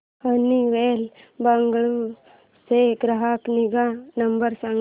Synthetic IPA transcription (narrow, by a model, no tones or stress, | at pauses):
həniʋelbɐŋɡɭu | seɡɾɐɦakniɡanɐmbəɾsaŋ